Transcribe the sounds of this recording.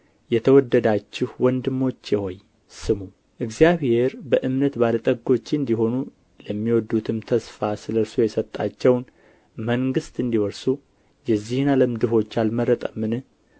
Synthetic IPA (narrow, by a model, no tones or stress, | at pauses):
jɛt̪ʰəwɔd̪ːəd̪at͡ʃːɪhwɔnd̪ɨmːo̞t͡ʃːjɛho̞j | sɨmu | ʔɨɡzjaβhe̞ɾbəʔɨmnət̪balət̪ʼəɡo̞t͡ʃːɨnd̪iɦo̞nu | ləmːiwɔd̪ːut̪ʰɨmt̪ʰəsfasɨləɾsojɛsət̪ʼːat͡ʃːɛwn | məŋɡɨst̪ɨnd̪iwɔɾsu | jɛzːihɨnaləmd̪ɨɦo̞t͡ʃːalməɾət̪ʼəmːɨnɨ